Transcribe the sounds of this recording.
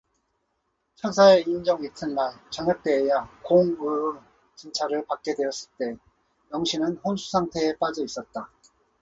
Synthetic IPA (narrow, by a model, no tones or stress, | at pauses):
t͡ɕʰʌnsʰaeind͡ʑʌŋitʰɯnːaɭt͡ɕaŋjʌk̚t͈eːjakoŋɯ | t͡ɕint͡ɕʰaɾɯɭpak̚k͈e̞dwe̞ʌs͈ɯɭt͈e̞ | jʌŋɕʰinɯnɸonsʰu̥sʰaŋtʰe̞ːp͈ad͡ʑʌis͈ʌt̚t͈a